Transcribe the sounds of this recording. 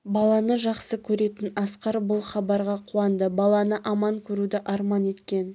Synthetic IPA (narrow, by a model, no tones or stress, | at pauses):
bɑlˠɑnəʒɑqsəkʲʰɵɾe̞t̪ɪnɑsqɑɾbʊlˠχɑbɑɾʁɑqʰuɑnd̪əbɑlˠɑnəʔɑmɑŋkʲʰɵɾud̪ɪʔɑɾmɑne̞t̪kʲe̞n